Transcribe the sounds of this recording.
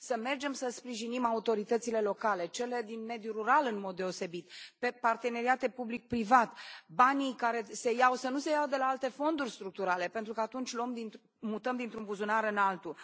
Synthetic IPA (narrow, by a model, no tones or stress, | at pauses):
səme̞rd͡ʒe̞msəspɾiʒinimaut̪o̞ɾit̪ət̪sile̞lo̞kale̞t͡ʃe̞le̞d̪inme̞d̪juɾuɾalɨnmo̞d̪ːe̞o̞se̞bit̪pe̞part̪e̞ne̞ɾiat̪e̞publik̚pɾivat̪banijkaɾe̞se̞jawsənuse̞jawd̪e̞laalt̪e̞fo̞nd̪urʲst̪ɾuk̚t̪uɾale̞pe̞nt̪ɾukəat̪unt͡ʃʲloomd̪int̪ | mut̪əmd̪int̪ɾumbuzunaɾɨnalt̪u